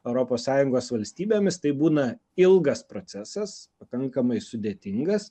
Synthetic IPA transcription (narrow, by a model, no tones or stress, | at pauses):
ɛʊɾoːpoːssɑːjʊŋɡoːsʋɐlʲsʲt̪ʲiːbʲeːmʲɪst̪ɐɪbuːnɐ | ɪlˠɡɐspɾotsʲæːsɐspɐkɐŋkɐmɐɪsʊd̪ʲeːt̪ʲɪŋɡɐs